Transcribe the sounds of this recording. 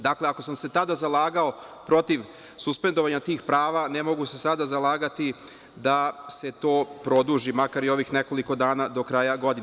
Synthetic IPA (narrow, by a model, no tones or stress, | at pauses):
d̪akleako̞samse̞t̪ad̪azalaːɡao̞ | pɾo̞t̪iʋ | suspe̞nd̪o̞ʋaɲat̪iːxpɾaːʋane̞mo̞ɡuse̞sad̪azalaːɡat̪i | d̪ase̞t̪o̞ːpɾo̞d̪uʒimakaɾio̞ʋixne̞ko̞liko̞d̪aːnad̪o̞kɾajaɡo̞d̪in